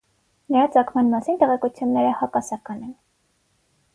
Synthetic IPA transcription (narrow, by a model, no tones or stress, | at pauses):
nəɾɑt͡sɑkʰmɑnmɑsint̪ɛʁɛkut͡sʰjunːɛɾəhɑkɑsɑkɑnɛn